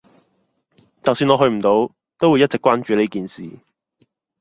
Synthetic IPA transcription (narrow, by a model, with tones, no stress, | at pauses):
t͡sɐ˨wsyː˧nɔː˧ɦɵ˧ɥm̩˨˩t̪o˨˧w | t̪o˥wu˨˧jɐ˥t͡sɪ˨kʷwaː˥nt͡ʃyː˨˧le˥jkiː˨˩nsḭː˨